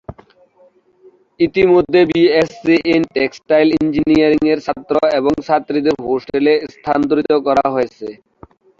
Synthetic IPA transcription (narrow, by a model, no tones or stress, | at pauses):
it̪imod̪ʱːebiesiʔenʈeksʈajlind͡ʑinijaɾiŋeɾsʰat̪ːɾoeβoŋsʰat̪ːɾid̪eɾɦosʈelest̪ʰant̪uɾit̪okɔɾa̰ɦoet͡ɕʰe